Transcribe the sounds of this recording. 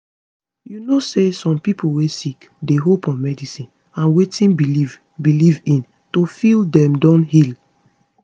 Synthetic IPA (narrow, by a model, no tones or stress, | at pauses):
junosesɔ̃mpipowesik | deɦopɔ̃nmɛdisĩn | ãnwetĩnbiiv | bilivĩn | tofildɛ̃mdɔ̃nhil